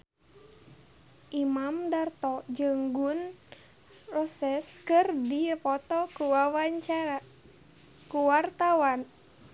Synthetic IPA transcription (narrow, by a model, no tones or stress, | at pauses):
ʔimamdart̪ɔd͡ʒɨŋɡun | rɔsɛskɨrdipɔt̪ɔkuwawaɲt͡ʃaa | kuwart̪awan